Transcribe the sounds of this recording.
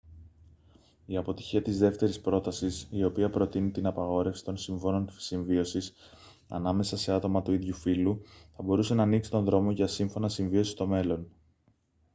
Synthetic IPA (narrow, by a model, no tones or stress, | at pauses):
iɐpo̞t̪i̥çiɐt̪izðe̞ft̪e̞ɾispɾo̞t̪ɐsisio̞piɐpɾo̞t̪init̪inɐpɐɣo̞ɾe̞fsi̥t̪o̞nsiɱvo̞no̞nsiɱvio̞sis | ɐ̰nɐme̞sɐse̞ɐt̪o̞mɐt̪uiðʝufiluθɐbo̞ɾuse̞nɐːniksi̥t̪o̞nðɾo̞mo̞ʝɐsiɱfo̞nɐsiɱvio̞si̥st̪o̞me̞lo̞n